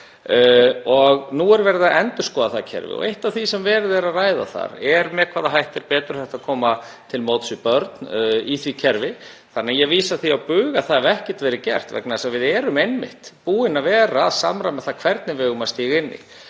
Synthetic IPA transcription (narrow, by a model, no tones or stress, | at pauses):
ɔɣnuɛɾvɛɾðaʔɛnt̪ʏ̥skɔːðaθacʰɛ̰ɾvɪ̰ɔ̰ɣejht̪avθisɛmvɛːɾðɛɾaðraːjða̰θa̰ɾɛɾmɛkʰvaːðaɦajht̪ɪɾpɛːt̪ʏɾ̥θɛht̪aðkʰɔːma | t̪ʰɪlmoːt̪sɪpœɾt̪niθvicʰɛɾvɪ | θanːɛajɛviːsaθiawpʏːɣaθaðɛvɛhcɛ̥t̪vɛːɾɪcɛ̰r̥t̪vɛ̰knaðsavɪðɛːɾʏmejnmɪ̰ht̪puːɪnavɛːɾaðsa̰mɾajmɛðθakʰvɛɾt̪nɪvɛɣʏmast̪iːɣɪnːɪ̰